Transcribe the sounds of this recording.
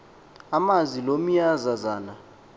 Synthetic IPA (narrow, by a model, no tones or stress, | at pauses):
amazilom̩jazazaːna